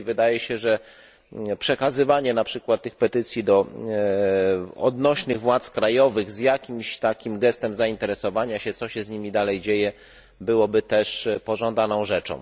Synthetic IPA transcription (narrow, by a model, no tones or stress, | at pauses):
vɘd̪ajɛɕɛʐɛ | pʂɛkazɘvaɲɛnapʂɘkwat̪̚ːɘxpɛt̪ɘt̪sʲjid̪ɔ | ɔ̰d̪nɔɕnɘɣvwat̪skɾajɔvɘɣzjakʲimɕt̪akʲimɡɛst̪ɛmzaint̪ɛɾɛsɔvaɲaɕɛt̪sɔɕɛzɲimʲid̪alɛjd͡ʑejɛ | bɘwɔbɘt̪ɛʂpɔʐɔ̃nd̪anɔ̃w̃ʐɛt͡ʂɔ̰̃w̃